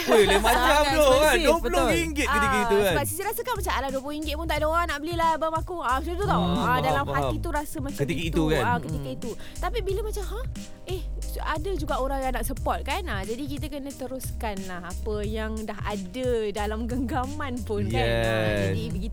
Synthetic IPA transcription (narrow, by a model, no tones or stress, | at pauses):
əlamakat̪okaduəpbəloiŋɡɪt̪kət̪ikəit̪ukabasisiɾasəkanmat͡ʃamaladuəp̬loɦiŋɡɪt̪̚pʊnt̪aʔdoɾanaʔbəlilahbəmakuasut̪ut̪aʔoaadalamhat̪it̪uɾasəmãt͡ʃaikəit̪ukanakət̪ikəit̪u | t̪apibiləmat͡ʃamha | ehsadəd͡ʒuɡaʔoɾaŋjanaʔsəpɔt̪̚kanad͡ʒadikit̪əkənə̃t̪əɾuskanlahapəjaŋdaɦa̰dədalamɡəŋɡamãnpʊnkjaɛadibəɡit̪